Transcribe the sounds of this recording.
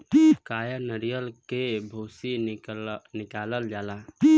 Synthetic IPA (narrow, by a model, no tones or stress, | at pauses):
kajənəɾijəlkebʱosi | nikaləld͡ʒala